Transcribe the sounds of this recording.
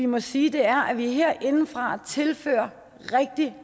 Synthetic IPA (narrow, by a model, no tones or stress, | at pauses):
imɒ̽siːd̥e̝æɐʔæʋiɦeɐ̰ʔe̝nn̩fʁɑ̈t͡sʰe̝lfø̰ːɐ | ʁɛɡ̥̚d̥i